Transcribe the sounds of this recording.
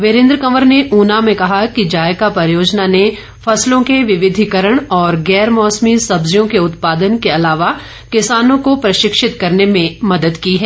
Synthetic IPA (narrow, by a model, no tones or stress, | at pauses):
ʋɪɾɪ̃nd̪ɾkɐməɾneʔuːnamẽkɐɦakid͡ʒaːjkapɐɾjoːd͡ʒnane | fɐslõkeʋɪʋɪd̪ʱikəɾəɽ̃ɔːɾɡɛːɾmɔːsmisɐbzjõkeʊt̪paːd̪ənkeɐlaːʋa | kɪsaːnõkopɾɐʃɪkʃɪt̪kɐɾnemẽmɐd̪əd̪kiɦɛː